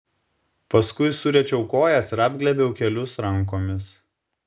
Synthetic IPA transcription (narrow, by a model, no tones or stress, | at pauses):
pɐskʊɪsʊɾʲɛt͡ʃʲɛʊkoːjɛsɪɾɑːbʲɡʲlʲɛbʲɛʊkʲɛlʲʊsɾɐŋˑkoːmʲɪs